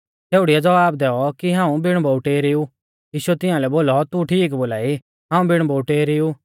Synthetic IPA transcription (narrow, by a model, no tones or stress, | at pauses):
t̪eːʊɽiad͡zɐʋaːb̚d̪ɛːɔkiɦãːũbɪɽ̃bɔuʈeːɾɪu | jiːʃuɛt̪ɪjãlɛboːlɔt̪uʈʰiːkboːlaːi | ɦãːũbɪɽ̃bouʈeːɾɪu